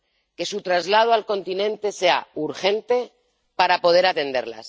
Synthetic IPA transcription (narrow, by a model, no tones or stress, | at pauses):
ke̞sut̪ɾazlað̞oalko̞nt̪inẽ̞nt̪e̞se̞a̰uɾxe̞nt̪e̞ | paɾapo̞ð̞e̞ɾat̪e̞nd̪e̞̰ɾla̰s